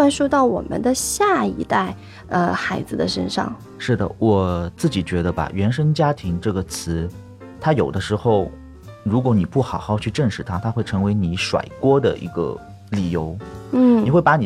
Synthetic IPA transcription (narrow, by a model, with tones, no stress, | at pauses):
wa˥˧nʂɔ˥t̪ɑ˥˩ʊwɔ̰˨˩mə̰˦nd̪ə˧ɕja˥˩ḭ˧˥t̪a˥˩ɪ | ə˧xa˧˥ɪd͡zɹ̩˧d̪ə̰˨ʂə̰˥nʂɑ̰˥˩ŋ | ʂɻ̩˥˩d̪ə̰˩wɔ˨˩t͡sɹ̩˥˩t͡ɕi˨˩t͡ɕɥɛ˧˥d̪ə˧ba̰˨˩ɥɛ˧˥nʂə˥ŋt͡ɕja˥t̪ʰi˧˥ŋʈ͡ʂɤ˥˩ɡə˩t͡sʰɹ̩˧˥ | t̪ʰa˥jo˨˩ʊd̪ə˦ʂɻ̩˧˥xo˥˩ʊ | ɻu˧˥k̬wɔ˧˥ni˨˩pu˥˩xɑ˨˩ʊxɑ˥˧ʊt͡ɕʰy˥˧ʈ͡ʂə˥˧ŋʂɻ̩˥˩t̪ʰa˥t̪ʰa˥xwe˥˩ɪʈ͡ʂʰɤ˧˥ŋwe˧˥ɪni˧˩ʂwa̰˨˩ɪkwɔ˥d̪ə̰˨ʔḭ˧˥ɡə̰˧ | li˨˩jo˧˥ʊn̩˥˩ni˨˩xwe˥˩ɪpa˧˥ni˨˩